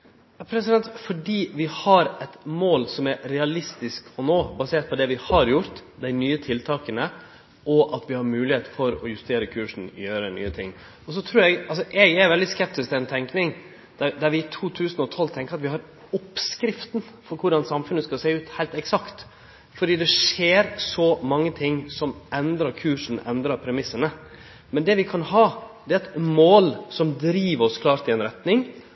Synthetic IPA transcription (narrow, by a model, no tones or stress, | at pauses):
jɑpʰɾɛsɪd̪ɛnt̪fɔɖiːʋɪhɑɾɛt̪moːlsɔmæɾɾɛɑlɪst̪ɪskɔnoːbɑseːʈ̪̚pʰɔd̪ɛʋɪhɑɾjʊɾt̪d̪æɪnyːət̪ʰɪlt̪ʰɑːkənə | ʔɔʔɑt̪ʋɪhɑɾmʉːlɪheːt̪fɔɾɔjʉst̪eːɾəkʰʉːʂɳ̩jøːɾəny̰ːət̪ʰɪ̰ŋː | ɔs̬ɔt̪ʰɾuːɾɛɡɑlsɔʔɛɡɛɾʋɛld̪ɪskɛp̚t̪ɪsk̪ɛnt̪ʰɛŋknɪŋ | d̪̥æd̪æɾʋɪːt̪ʰuːt̪ʰʉːsnɔt̪ʰɔlt̪ʰɛŋkəɾɑt̪ʋɪhɑɾ | ʊpskɾɪft̪n̩ | fɔɾkʰʊɖɑnsɑmfʉnəskɑlseːʉːt̪hæɪlt̪ɛksɑkt̪ | fɔɖiːd̪ɛʂeːɾsɔmɑŋːət̪ʰɪŋːsɔmʔɛnd̪ɾɑɾkʰʉːʂn̩ɛ̰nd̪ɾɑɾpʰɾɛmɪsːənə | mɛnd̪ɛʋɪkʰɑnhɑːd̪ɛːɛt̪moːlsɔmd̪ɾiːʋɾɔskʰlɑːɾt̪ɪɛnɾɛt̪nɪŋ